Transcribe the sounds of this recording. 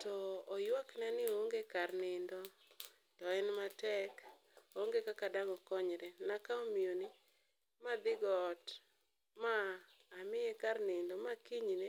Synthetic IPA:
tɔːjwaknanɪoŋɡekarnɪndɔ | tɔɛnmatɛk | oŋɡekakadaŋɔkɔɲɾɛnakaomijonɪ | mad̪ɪɡɔːt | maː | mɪjɛkarnɪndɔmakiɲne

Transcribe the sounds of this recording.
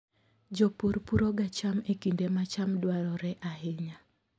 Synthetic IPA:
d͡ʒɔpuɾpuɾoɡat͡ʃamekindemat͡ʃamdwaɾɔɾɛʔaɦɪɲa

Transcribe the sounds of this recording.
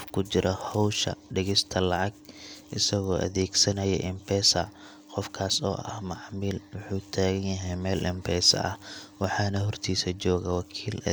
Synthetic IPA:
fkʰʊt͡ʃɪɾʔɐhɔwʃɐ̰ɖɪɣɪst̪ʰɐlɑʕɑɡʔɪsɐɣɔːʔɐ̰ðɛːɡsɐnɐjɛ̰ʔɪmbɛːsɐ | qɔfkʰaːsɔ̰ːʔɐ̰hmɑʕmiːlwʊħuːt̪ʰaːɣɐnjɐɦɛjmɛːlʔɪmpʰɛːsɐ̰ʔɐ̰hwɑħɑːnɐɦɔrt̪ʰiːsɐt͡ʃɔːɣɐwɑkʰiːlɐ̰

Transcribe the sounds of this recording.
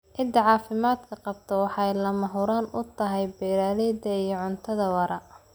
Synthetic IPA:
ʕɪd̪ɐʕɑːfɪmaːd̪kʰɐqɑb̚t̪ʰɔwɑħɑjlɐmɐɦʊɾaːnʊ̰t̪ʰɐɦɛjbɛːɾaːlɛːd̪ɐijɞʕʊnt̪ʰɐðɐwɐɾɐ

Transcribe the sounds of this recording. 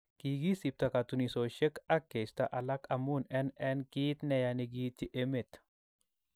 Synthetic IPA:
kiːɡisip̚t̪ɐkat̪unisoʃɛkɐkːest̪aʔɐlɐkɐmunɛnɛnkiːt̪nɛjaniɡiːt̪iʔemet̪

